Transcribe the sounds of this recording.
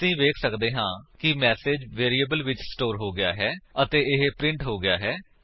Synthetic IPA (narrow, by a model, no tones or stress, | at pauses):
ĩːʋeːkʰsəkd̪eːɦãːkɪmɛːseːd͡ʒʋeːɾiːəbəlʋɪt͡ʃsʈoːɾɦoːɡɪja̰ːɦɛːət̪eːɪɦpɾɪ̃ɳʈɦoːɡɪjaːɦɛː